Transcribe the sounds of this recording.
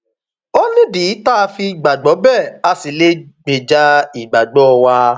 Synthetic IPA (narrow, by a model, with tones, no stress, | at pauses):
o˦nĩ˦di˨˦ta˦˨˧fi˧˨ɡ͡ba˨ɡ͡bɔ˨˦bɛ˦˨a˧si˨le˦ɡ͡be˨d͡ʒa˧˦i˨ɡ͡ba˨ɡ͡bɔ˦ɔ˧wa˧